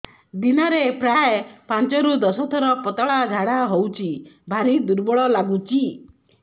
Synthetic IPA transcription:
d̪inɔɾepɾajepant͡ʃɔɾud̪ɔsɔt̪ʰɔɾɔpɔt̪aɭad͡ʒʱaɽaɦowt͡ʃʰibʱaɾid̪uɾbɔɭɔlaɡut͡ʃʰi

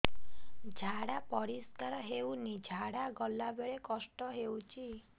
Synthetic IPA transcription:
d͡ʒʱaɽapɔɾiskaɾɔɦewnid͡ʒʱaɽaɡɔlːabeɭekɔsʈɔɦewt͡ʃʰi

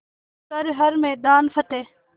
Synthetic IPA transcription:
səɾɦəɾmeːd̪aːnfʰət̪eː

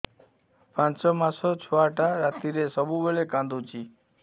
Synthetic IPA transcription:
pãsɔmasot͡ʃʰoaʈaɾat̪iɾesəbubeɭekãnd̪ut͡ʃi

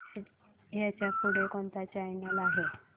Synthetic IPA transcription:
ɦjat͡ɕjakuɽ̤ekoɳt̪at͡ɕajnalaɦe

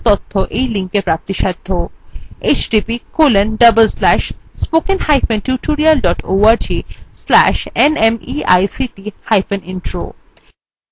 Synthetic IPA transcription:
t̪ɔt̪ʰːoʔejliŋkːepɾap̚t̪iʃad̪ʱːoet͡ʃɖipikolenɖəbəlslæʃspokenhajfẽnʈjuʈuɾialɖɔʈo̰aɾd͡ʑislæ̰ʃenemia̰jsiʈihajfeninʈɾo̰

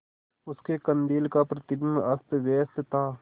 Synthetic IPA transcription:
ʊskekə̃nd̪iːlkapɾɐt̪ɪd̪nɐst̪ʋeːset̪ʰaː

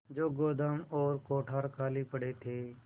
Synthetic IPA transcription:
d͡ʒoːɡoːd̪ʱaːmɔːɾkoːʈʰaːɾkʰaːliːpəɽeːt̪ʰeː

